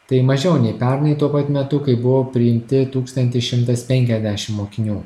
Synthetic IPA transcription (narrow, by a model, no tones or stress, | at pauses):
t̪ɐɪmɐʒʲoːnʲɛɪpʲɛɾnɐɪt̪uɔpɐt̪mʲɛt̪ʊkɐɪbʊʋoːpʲɾʲɪɪmʲt̪ʲɪt̪uːkst̪ɐnʲt̪ʲɪʃʲɪmt̪ɐspʲɛŋʲkʲɛzʲd̪ʲæʃʲɪmmoːkʲɪnʲuː